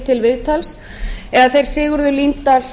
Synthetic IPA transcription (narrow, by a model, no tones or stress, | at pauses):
t̪ʰɪlvɪðt̪ʰals | ɛðaθejɾ̥sɪːɣʏɾðʏlint̪a